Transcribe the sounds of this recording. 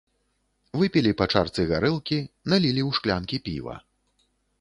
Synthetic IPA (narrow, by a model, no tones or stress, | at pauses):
vɨpʲilʲipat͡ʂart̪sɨɣaɾɨlˠkʲinalʲilʲiwʂklʲankʲipʲḭvɐ̰